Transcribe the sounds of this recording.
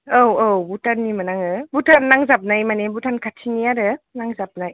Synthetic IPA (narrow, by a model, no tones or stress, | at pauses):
owowbutʰanːimanaŋɯbutʰanːaŋzap̚najmanebutʰankʰatʰiŋijaɾɯnaŋzap̚naj